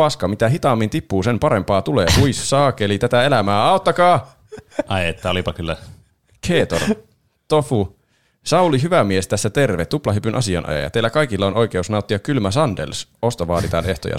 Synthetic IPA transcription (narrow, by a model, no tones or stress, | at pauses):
ɑskɑmit̪æɦit̪ɑːmːint̪ipːuːse̞mpɑɾe̞mpɑːt̪ulḛːkuissɑːkelit̪æt̪æe̞læmæːɑot̪ːɑkɑː | ɑiet̪ːæolipɑkylːæ | kʰeːt̪o̰r | t̪ofu | sɑuliɦyʋæmiest̪æsːæt̪e̞rʋet̪ːuplɑɦypynʔɑ̰siɑ̰nʔɑ̰jɑ̰jɑ̰t̪eilːækɑikilːɑono̞ike̞usnɑut̪ːiɑkylmæsɑndḛlso̞st̪oʋɑːt̪it̪ɑ̰ne̞ht̪o̰jɑ̰